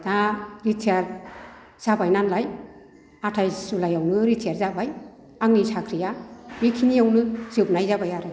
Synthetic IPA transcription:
daɾitʰijaɾ | z̥abajnanlaj | atʰajsulajawnɯɾitʰijaɾzabaj | aŋnisʰakʰɾijaɾikʰinijawnɯz̥ɯp̚najzabajaɾɯ

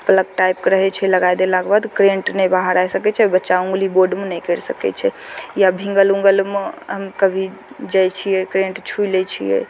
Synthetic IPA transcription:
pələk̚ʈajp̚keɾəɦɛt͡ʃʰɛləɡajd̪elakbad̪kɾẽɳʈnɛbaɦəɾajsəkɛt͡ʃʰɛbətːʃaũŋɡliboɾɖmenɛkeɾsəkɛ̰t͡ʃʰɛjabʱĩŋɡəlũŋɡəlmeɦəmkəbʱi | d͡ʒajt͡ʃʰijɛkɾẽɳʈt͡ʃʰuilɛt͡ʃʰijɛ̰

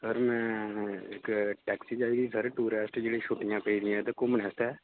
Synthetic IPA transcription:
səɾmɛ̃ekʈɛːksid͡ʒaːiɡisəɾʈuːɾeːsʈd͡ʒeːɽiʃoːʈɪjãːpəiɾĩɦɛ̃t̪okoːmənɛːsʈ̪ɛː

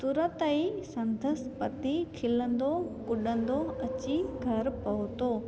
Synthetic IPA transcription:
sʊɾət̪ɐisɐ̃nd̪ʱəspɐt̪ikʰɪlə̃nd̪okʊɗə̃nd̪oɐt͡ɕiɡʱɐɾpɐɦʊt̪oː

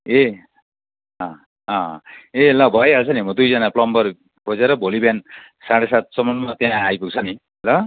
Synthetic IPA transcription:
e | ʌ̃ | ʌ̃elʌbʱʌeʌt͡sʰʌnimʌd̪ujd͡zʌnaplʌmbʌr | kʰod͡zeɾʌbʱolibjan | saɽesat̪̚sʌmʌnmʌt̪jãajpuɡ̚t͡sʰʌni | lʌ

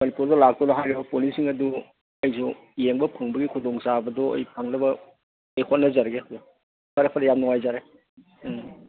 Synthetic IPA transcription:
mɐnipuɾdɔlak̚tɔnɔɦajɾibɐpolisiŋɐdu | ɐjsu | jeŋbɐpʰaŋbɐɡikʰudɔŋsabɐdɔɐ̰jpʰaŋlɐbɐ | ejkʰot̚nːɐzaɾɡe | kʰaɾepʰɐɾɐjamnɔŋajzaɾe

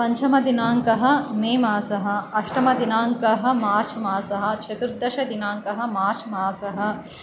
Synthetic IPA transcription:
pɐɲt͡ʃʰɐmɐd̪inaːŋkɐɦɐ̆meːmaːsɐɦɐ̆ɐʃʈɐmɐd̪inaːŋkɐɦɐ̆maːʃmaːsɐɦɐ̆t͡ʃʰɐt̪uɾd̪ɐʃɐd̪inaːŋkɐɦɐ̆maːʃmaːsɐɦɐ̆

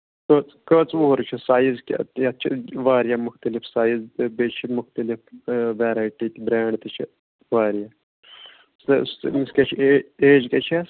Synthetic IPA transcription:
kət͡skət͡sʋoːɾt͡ʃʰisaːjizkʲt̪jɐt̪t͡ʃʰḭʋaːɾjaːmʊxt̪ɐlifsaːjizbet͡ʃʰimʊxt̪ɐlifʋeːɾaːjʈit̪ʲibɾeːɳɖt̪ɨt͡ʃʰḭ | ʋaːɾjaː | sɐ̰smiskʲet͡ʃʰieeːd͡ʒkʲet͡ʃʰa

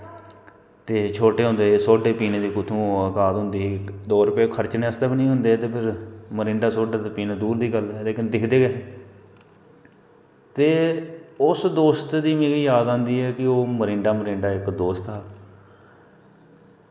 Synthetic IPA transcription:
t̪eːt͡ʃʰoːʈeːɦʊ̃ːnd̪eːsoːɖeːpiːneːd̪iːkʊt̪ʰũːəkaːd̪ɦʊ̃nd̪iːɦːd̪oːɾʊpeːkʰəɾt͡ʃnẽːəst̪eːbinĩːɦʊnd̪eːt̪eːpʰɪɾməɾɪɳɖaːsoːɖaːt̪eːpiːneːd̪uːɾd̪iːɡəlːleːkɪnd̪ɪkʰd̪eːɡɛː | t̪eːʊsd̪oːst̪d̪iːmẽːɡiːjaːd̪ãːnd̪iːɦɛːkɪoːməɾɪɳɖaːməɾɪ̃ɳɖaːɪkd̪oːst̪aː

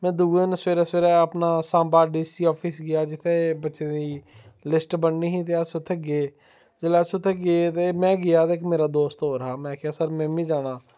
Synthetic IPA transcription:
mɛ̃ːd̪uːɡẽːnsʋeːɾaːseːɾɛːəpnaːsãːmbaːɖiːsiːɔːpʰiːsɡɪjaːd͡ʒɪt̪ʰːebətːʃeːd̪iiːlɪsʈbənːiːɦĩːt̪̬easʊt̪ʰːɛːɡeː | zɪlaːsʊt̪ʰeːɡeeːt̪emɛ̃ːɡɪjaːt̪ek̬meːɾaːd̪oːst̪ɦoːɾɦaːmɛ̃ːkɪaːsəɾmɛ̃ːmĩːd͡ʒaːɽ̃aː

